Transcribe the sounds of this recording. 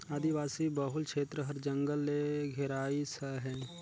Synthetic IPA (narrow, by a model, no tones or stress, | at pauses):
aːd̪iʋaːsibəɦʊlʃeːt̪ɾəɦɐɾd͡ʒə̃ŋɡəlːeɡʱɛɾaːisəɦɛ̃ː